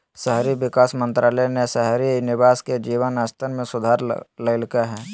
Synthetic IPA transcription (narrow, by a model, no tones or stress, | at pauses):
sɛɦɾiʋɪkaːsmə̃nt̪ɾaːlənesɛɦɾinɪʋaːsked͡ʒiːʋənast̪ʰənmẽsʊd̪ʱaːɾləɪlkaɦɛː